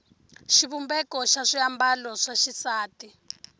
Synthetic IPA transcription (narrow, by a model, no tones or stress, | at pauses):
ʃiβumbɛkɔʃaʂiambalɔʂaʃisaːti